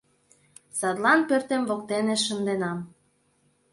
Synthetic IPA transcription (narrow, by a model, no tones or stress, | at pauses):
sɑd̪lɑnpørt̪emvokt̪eneʃənd̪enɑm